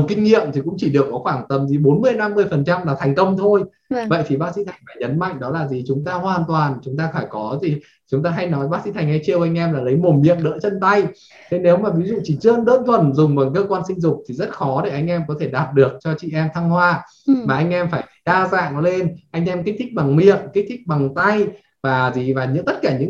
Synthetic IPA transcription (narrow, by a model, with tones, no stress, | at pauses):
kï˧ŋ̟ŋḭ˧˨əmt̪i˨˩kʊ̰˧˥ŋ͡mt͡ɕi˧˩ɗɨ˨˩əkːɔ˨˦xwaː˧˩nt̪ə˨˧˩mzi˨˩ɓo˨˦nmɨ˧˩əjna˧mːɨ˧˩əjfə˨˩nt͡ɕa˧mlaː˨˩t̪ʰa˨˩jŋ̟kə˧wŋ͡mt̪ʰo˧j | və̰˧˨jt̪ʰi˨˩ɓaː˦˥sḭ˧˥t̪ʰa˨˩ŋ̟faː˧˩jɲə˨˦nma̰˧˨ŋ̟ɗɔ˨˦laː˨˩zi˨˩t͡ɕʊ˨˦ŋ͡mt̪aː˧hwaː˨˩nt̪waː˨˩nt͡ɕʊ˨˦ŋ͡mt̪aː˧faː˧˩jkɔ˨˦zi˨˩ | t͡ɕʊ˨˦ŋ͡mt̪aː˧ɦa˧jnɔ˨˦jɓaː˦˥sḭ˧˥t̪ʰa˨˩ŋ̟ha˧jt͡ɕi˧ə˧wʔa˧jŋ̟ʔɛ˧mlaː˨˩lə˨˦jmo˨˩mmḭ˧˨əŋɗə̰ː˧˥t͡ɕə˧nt̪a˧j | t̪ʰe˨˦ne˨˦wmaː˨˩vi˨˦zṵ˧˨t͡ɕi˧˩t͡ɕɨ˧nɗə̰ː˧˥nt̪ʰwə˨˩nzʊ˨˩ŋ͡mvəː˨˦jkəː˧kwaː˧nsï˧ŋ̟zʊ˨˩k͡p̚t̪ʰi˨˩zə˦˥t̚xɔ˨˦ɗe˧˩ʔa˧jŋ̟ʔɛ˧mkɔ˨˦t̪ʰe˧˩ɗaː˨˩t̚ɗɨ˨˩ək̚t͡ɕɔ˧t͡ɕḭ˧˨ʔɛ˧mt̪ʰa˧ŋhwaː˧ | maː˨˩ʔa˧jŋ̟ʔɛ˧mfaː˧˩jɗaː˧za̰ː˧˨ŋ˧˦le˧nʔa˧jŋ̟ʔɛ˧mki˦˥k̚t̪ʰï˦˥k̟̚ɓa˨˩ŋmḭ˧˨əŋki̟˦˥t̪ʰi˦˥k̟̚ɓa˨˩ŋt̪a˧j | vaː˨˩zi˨˩vaː˨˩ɲɨ̰˧˥t̪ə˦˥t̚kaː˧˩ɲɨ̰˧˥